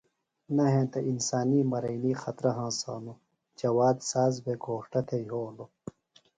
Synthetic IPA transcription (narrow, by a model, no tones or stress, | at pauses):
nɐɦẽːt̪ɐʔinsaːniːmɐɾɐjniːxɐt̪ɾɐɦãːsa̰ːnu | d͡ʑɐwaːd̪saːzbeɡoːʂʈɐt̪ʰejɦoːnlo